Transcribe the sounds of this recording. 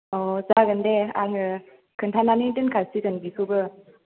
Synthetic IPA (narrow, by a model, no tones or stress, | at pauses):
ɔzaɡɯndea̰ŋɯ | kʰɯntʰananidɯnkʰalsizɯnbikʰɯbɯ